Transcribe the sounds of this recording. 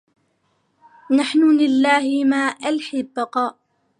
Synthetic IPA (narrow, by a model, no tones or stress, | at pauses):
naħnʊlɪlːaːhɪmaːʔalħɪbːɑqɑːʔ